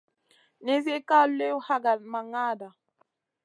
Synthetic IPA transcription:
ne˦ze˦ka˦le˦u˦ha˦ɡa˨ma˨ŋa˦˨da˨

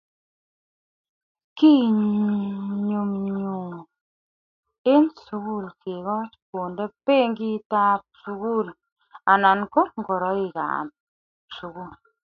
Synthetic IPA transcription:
ki˦˨ | ɲu˨mɲɲu˨ | e˦nsu˨ku˦˨lkʰe˨ɣɔ˦po˨nde˦pe˦ŋ˦ɡi˦ta˦p̚su˨ɣu˦˨l | a˨na˨nko˦ŋ˦ɡo˨ɾɔ˨˦i˨ka̰˨m | su˨ɣu˦˨l

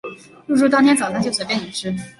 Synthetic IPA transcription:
lu˥˧ʈ͡ʂu˥˧˩t̪ɑ˥ŋt̪ʰjnt͡sɑ˨˩ʊt̪ʰə˥ŋt͡ɕjo˥˩swe˨˩pɛ˥˩ni˨˩ʂɻ̩˥

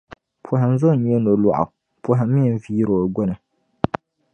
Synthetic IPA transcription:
pʰʊ˨ɦɪ˨n˦zʊ˦˨ɲɛ˦no˨lɔ˨ʔʊ̰˨ | pʰʊ˨ɦɪ˨˦mɪ˦˨viː˦ɾo˨ɡɔ˦nɨ˨

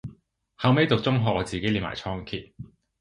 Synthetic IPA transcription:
hɐ˨˥wme˨˥jt̪o˨k̚t͡sʊ˥ŋɦɔː˨k̚ɔː˨˧t͡siː˨ke˥jliː˨˩ma̰ː˨˩jt͡sʰɔː˥ŋkʰiː˧t̚

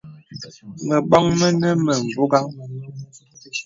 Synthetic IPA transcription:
mə˨ɓɔ˦ŋmə˦nə˦mə˨m̩˨bo˦ɡa˦ŋ

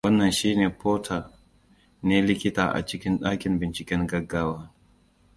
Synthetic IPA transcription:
wɐ˦nːɐ˨nʃiː˦neː˨poː˦tʰaː˨ | neː˦lɪ˦kʲɪ˦ta̰ː˨ʔa̰˨t͡ʃɪ˦kʲɪ˦nɗaː˦kʲɪ˨mbɪ˨nt͡ʃɪ˨kʲɛ˦ŋɡɐ˦ɡːaː˦waː˦

